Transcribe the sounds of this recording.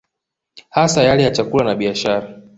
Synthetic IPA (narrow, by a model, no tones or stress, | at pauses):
hasajalɛjat͡ʃakulanaɓiaʃaɾa